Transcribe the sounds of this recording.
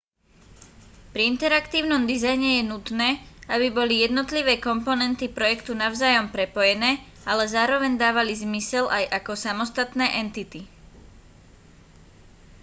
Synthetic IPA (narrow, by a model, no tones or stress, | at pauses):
pɾiint̪ɛɾakt̪iːʊnɔmd̪izajɲɛjɛnut̪nɛːabibɔlijɛd̪nɔt̪liʋɛːkɔmpɔnɛnt̪ipɾɔjɛkt̪unaʊzaːjɔmpɾɛpɔjɛnɛː | alɛzaːɾɔʋɛɲd̪aːʋalizmisɛlʔajʔakɔsamɔst̪at̪nɛːʔɛnt̪it̪i